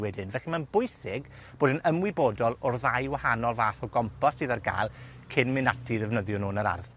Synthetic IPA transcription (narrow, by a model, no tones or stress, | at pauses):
wɛdɪnvɛχimanbʊɨsɪɡ | b̥oːdənəmwɪbɔːdɔlˠɔrðajwahanɔlˠvaːfɔɡɔmpʰɔsiðarɡa̰ːlˠ | kʰɪnmɪnatʰiðɛvnəðjɔnoːnəɾa̰rð